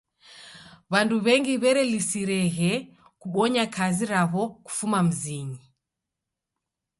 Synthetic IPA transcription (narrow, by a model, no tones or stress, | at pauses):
βanduβɛŋɡiβɛɾɛlisiɾɛɣɛ | kuɓɔɲakʰaziɾaβɔku̥fumam̩ziɲi